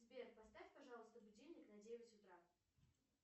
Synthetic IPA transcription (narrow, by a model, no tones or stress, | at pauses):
zbʲerpɐst̪afʲtpɐʐɑlˠəst̪əbʊdʲelʲnʲɪknɐdʲejɪvəsʲʊt̪ɾa